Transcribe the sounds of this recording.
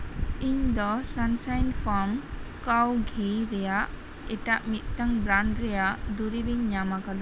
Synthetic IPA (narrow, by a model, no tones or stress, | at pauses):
iɲd̪ɔsansajnfʰɔɾmkawɡʱiɾɛjaʔ | ɛʈaʔmit̪̚ˀtaŋbɾaɳɖɾɛjaʔd̪uɾibiɲːamakad̪ɔ